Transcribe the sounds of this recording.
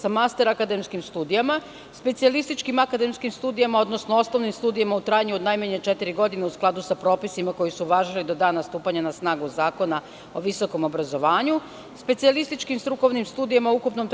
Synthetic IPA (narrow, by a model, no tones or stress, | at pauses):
samast̪e̞ɾakad̪emskimst̪uːd̪ijama | spe̞t̪sialist̪it͡ʃkimakad̪e̞mskimst̪uːd̪ijamao̞d̪no̞snoo̞sno̞ʋnimst̪uːd̪ijamaut̪ɾaːjaɲuod̪najmaɲet͡ʃet̪iɾiɡo̞d̪ineusklˠad̪usapɾo̞ːpisimako̞jisuʋaːʒilid̪o̞d̪aːnast̪uːpaɲanasnaːɡuzaːko̞na | o̞ʋiso̞ko̞mo̞bɾazo̞ʋaːɲu | spe̞t̪sialist̪it͡ʃkimst̪ɾuko̞ʋnimst̪uːd̪ijamaoukupno̞mt̪